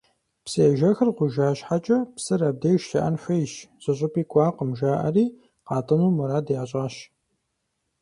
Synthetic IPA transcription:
pseːʒɐxɨrʁʷʊʒaːɕħat͡ʃʼɐpsɨɾɐb̚deːʃtʰɐʔɐnɕʷɐjɪʃz̥ʼɨɕ̬ʼʊpʼiːkʷʼɑːqəmʒaːʔɐ̰riː | qɑːtʼɨnuːmɐɾaːdjaːɕʼaːɕ

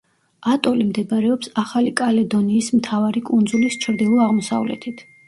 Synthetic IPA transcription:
at̪ʼɔlimd̪ɛbaɾɛɔpsaχalikʼalɛd̪ɔniːsmt̪ʰavaɾikʼund̪zulist͡ʃʰɾd̪ilˠɔaʁmɔsa̰vlɛ̰t̪ʰit̪ʰ

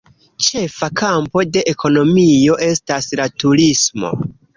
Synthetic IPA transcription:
t͡ʃe̞fakʰampo̞de̞ʔekʰo̞no̞mijo̞ʔe̞staslatuɾismo̞̰

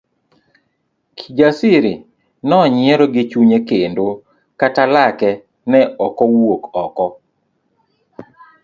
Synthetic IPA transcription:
kʰid͡ʒasiɾi | nɔɲɪɛɾɔɡɪt͡ʃuɲekendo | katalakɛ | nɛɔkɔwokɔkɔ

